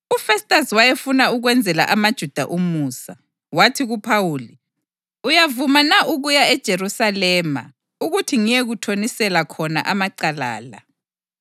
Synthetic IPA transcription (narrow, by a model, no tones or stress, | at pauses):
ufɛstʼaswajefunauɣwɛnd͡zʱɛla̰ʔamad̥ʒ̥ʱud̥ʱaʔumuːsa | watʰiɣupʰawuːli | ujavumanaʔuɣujaɛd̥ʒ̥ʱeɾusalɛːma̰ | uɣutʰiŋijeɣutʰonisɛlakʰɔna̰ʔamaǀala̰ːla